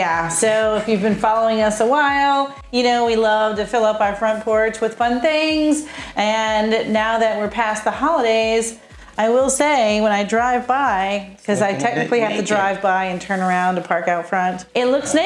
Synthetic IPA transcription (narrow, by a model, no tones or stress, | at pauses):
jæsoʊɪfjʉvbɨ̃nfɑlˠoʊɪ̃ŋʌsəwaɪlˠ | jɨnoʊwilʌv̥tɨfɪlˠʌpaʊə˞fɹʌ̃npʰɔɹt͡ʃwɨð̥fʌ̃nθɪ̃ŋzʔɨ̃nːaʊðɨt̚wɨɹpʰæsðəhɑlˠəɾeɪz | aɪwɪlˠseɪwə̃ñaɪdɹaɪvbaɪkʰʌzaɪtʰɛk̚nɨklˠihæftɨdɹaɪvbaɪɨ̃ntʰɜ̃˞nə˞ãʊ̃ntɨpʰɑɹkaʊtfɹʌ̃ntɨtˡlʊksn